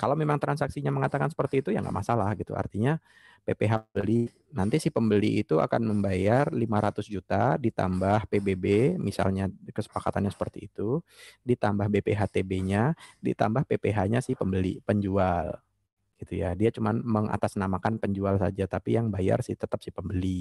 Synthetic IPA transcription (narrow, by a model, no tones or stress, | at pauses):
kalawmemaŋt̪ɾansaksiɲaməŋat̪akansə̥pərt̪iːt̪ujaŋɡa̰ʔmasalahɡit̪ṵa̰rt̪iɲa | pepeɦaəli | nant̪isɪhpəmbəliːt̪ua̰kanməmbajarlimaɾat̪ʊsd͡ʒut̪adit̪a̰mbahpebebemisa̰lɲakəsə̥pakat̪anɲasə̥pərt̪iːt̪udit̪ambahbepeɦat̪ebeɲadḭt̪a̰mbahpepeɦaɲasɪhpəmbəlḭpəɲd͡ʒual | ɡ̥it̪ujadiat͡ʃumanməŋa̰t̪asnamakanpəɲd͡ʒualsad͡ʒat̪apijaŋbaja̰rsɪht̪ət̪apsɪhpəmbəli